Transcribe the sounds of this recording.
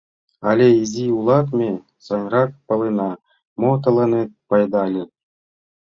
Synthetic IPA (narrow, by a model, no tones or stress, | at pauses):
ɑlʲeizʲiulˠɑt̪mʲe | sɑnʲrɑk̚pɤ̆lˠenɑ | mot̪ɤ̆lˠɤ̆net̪̚pɑjd̪ɑlʲe